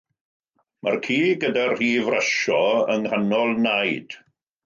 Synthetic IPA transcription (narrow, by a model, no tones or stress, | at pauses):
markʰiːɡədarriːvraʃɔəŋhanɔlˠnajd̥